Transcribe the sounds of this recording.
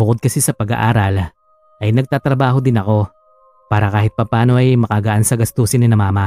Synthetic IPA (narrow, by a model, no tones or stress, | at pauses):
bʊkod̪̚kɐsisɐpɐɡɐ̰ʔaːɾɐl | ʔɐjnɐɡ̚t̪aːt̪ɾɐbaːɦo̞d̪ɪnɐko̞ | paːɾɐkaːhɪt̪̚pɐpaːno̞ʔɐjmɐkaɡɐʔansɐɡɐst̪uːsɪnɪnɐmaːmɐ